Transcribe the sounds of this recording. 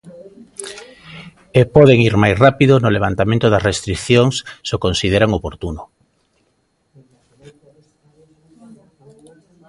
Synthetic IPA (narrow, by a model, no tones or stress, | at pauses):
epɔðeŋiɾmajsrapiðonʊleβ̞ant̪amẽnt̪ʊðɐzrest̪ɾikθjoŋsːokonsið̞eɾaŋopoɾt̪uno